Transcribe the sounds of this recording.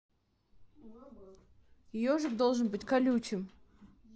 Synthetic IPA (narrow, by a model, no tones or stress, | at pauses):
ɪjoʐɨkd̪olˠʐɨnbɨtʲkɐlʲut͡ɕɪm